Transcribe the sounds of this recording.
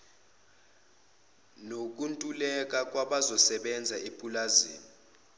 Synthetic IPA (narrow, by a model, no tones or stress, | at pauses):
nok̬ʼuntʼulɛk̬ʼak̬ʼwaɓazɔsɛɓɛnd͡zʱaepʼulaziːni